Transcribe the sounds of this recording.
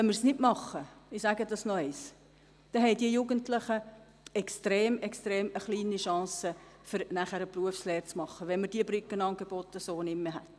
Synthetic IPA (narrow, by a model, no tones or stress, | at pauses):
ɛnmɪɾsnɪdmɑχːəɪsæɡədɑsnɔɛɪs | d̪̥ɛɦɛɪdiəjuɡəntləχə | ɛkstɾeːmɛkstɾeːməχliːniʃɑ̃ːsəfʏɾnæχæɾəpruəfsleːɾt͡smɑχːəʋɛnməd̥iəbɾʏkːənɑːnɡebɔtəsoːnɪmːəɦæt